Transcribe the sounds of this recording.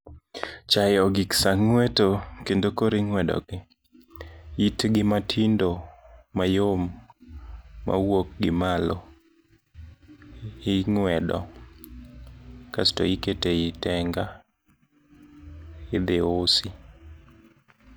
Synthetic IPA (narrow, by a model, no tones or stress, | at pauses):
t͡ʃajɔɡɪksaŋwetokendokoɾɪŋwɛdɔ̰ɡɪ | itɡɪmatʰindomajom | a̰wok̚ɡɪmalɔ | ɪŋwɛdɔ̰ | kasto̰iketeitɛŋɡa | ɪd̪ɪosɪ